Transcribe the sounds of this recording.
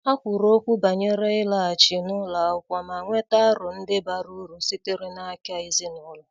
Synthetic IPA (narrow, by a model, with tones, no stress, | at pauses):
a˦kʷʊ˨ɾo˦kʷu˦ba˨ɲe˦ɾe˦ɪ˦la˨a˨t͡ʃɪ˨nʊ˦la˨ʊ˦kʷa˨ma˨ŋʷe˦ta˦ɾʊ˨n̩˦dɪ˦ba˨ɾu˦ɾu˨si˦tɪ˦ɾɪ˦na˦a˦kɪ˦a˦ɪ˦zi˦nʊ˦la˦˨